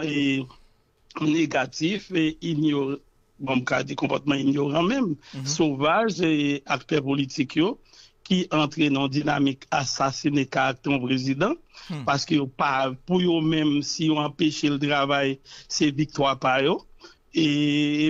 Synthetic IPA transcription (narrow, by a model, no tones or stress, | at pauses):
e | neɡatifeinjõ | bɔ̃m̩ka̰d͡zikɔ̃pɔ̰t̪̚mãinjoʁãmɛ̃mssovaʒeak̚t̪ɛpolitikʰjo | kiʔãt̪ʁenãɔ̃d͡zinamikasasinekaak̚t̪ɛ̃ɔ̃pʁezid̪ãpaskøjopapujomɛ̃msijoãpeʃelt̪ʁavajsevik̚t̪wapajo | e